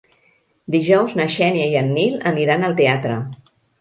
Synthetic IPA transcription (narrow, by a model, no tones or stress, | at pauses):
d̪iʒɔwznəʃɛnjəiənːiləniɾanəlˠt̪eat̪ɾə̰